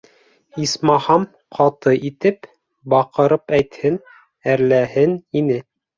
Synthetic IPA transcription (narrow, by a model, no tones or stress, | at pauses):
ismɑhɑm | qʰɑt̪ɤʔit̪ɘp | bɑqɤ̆ɾɤpæjt̪hɘn | æɾlæhɘninɘ